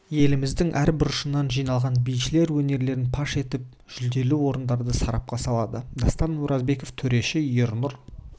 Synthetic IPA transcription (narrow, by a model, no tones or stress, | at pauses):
je̞lɪmɪzd̪ɪŋʔæɾbɪɾʊʃənɑnʒijnɑlˠʁɑnbijʃɪle̞ɾwɵne̞ɾle̞ɾɪnpʰɑʃe̞t̪ɪp̚ | ʒ̥ʏzd̪e̞luwo̞ɾənd̪ɑɾd̪əsɑɾɑp̚qɑsɑlˠɑd̪əd̪ɑst̪ɑnuɾɑzbe̞ko̞ft̪ʰɵɾe̞ʃɪjoɾnʊɾ